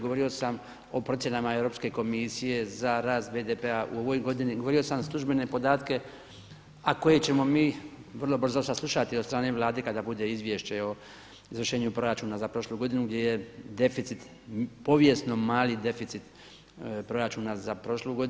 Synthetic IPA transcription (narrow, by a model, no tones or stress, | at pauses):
ɡoʋo̞ɾio̞sam | o̞pɾo̞t̪sjenamae̞vɾo̞ːpske̞ko̞misije̞zaɾaːst̪̚be̞ːd̪epe̞aʔṵo̞ʋo̞jɡo̞d̪iniɡoʋo̞ɾio̞samslˠuʒbe̞ne̞po̞d̪aːt̪ke̞ | ako̞je̞t͡ɕe̞mo̞miːʋr̩lˠo̞br̩zosaslˠuʃat̪iot̪st̪ɾaːneʋlˠaːd̪e̞kad̪abud̪e̞izʋje̞ʃt͡ɕeo̞ | izʋr̩ʃe̞ːɲupɾo̞ɾat͡ʃuːnazapɾo̞ʃlˠuːɡo̞d̪inuɡd̪jeje̞d̪e̞fit̪sit̪ | po̞ʋje̞sno̞maːlid̪e̞fit̪sit̪ | pɾo̞ɾat͡ʃuːnazapɾo̞ʃluɡo̞d̪